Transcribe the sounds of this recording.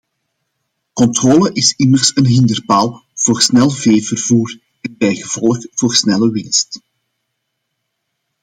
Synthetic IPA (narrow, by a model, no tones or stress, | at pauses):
kɔntroːləʔɪsɪmərsənɦɪndərpaːlˠv̥oːrsnɛlˠveːvərvuːr | ɛnbɛjɣəv̥ɔləxv̥oːrsnɛləwɪnst